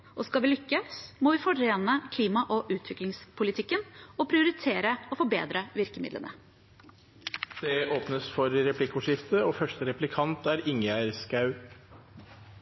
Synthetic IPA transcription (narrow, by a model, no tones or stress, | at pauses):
ʔɔskɑʋɪlʏkːəsmɔʋɪfɔɾeːnəkʰliːmɑʔɔʔʉːt̪ʰʋɪklɪŋspʰʊlɪt̪ʰɪkːənɔpʰɾɪʊɾɪt̪ʰeːɾəɔfɔbḛːd̪ɾəʋɪɾkəmɪ̰d̪lə̰nə̰ | d̪̥ɛoːpnəsfɔɾɾɛpʰlɪkːʊʂɪft̪əoːfœʂʈəɾɛplɪkʰɑnt̪æːɾɪŋæɾskɑʉ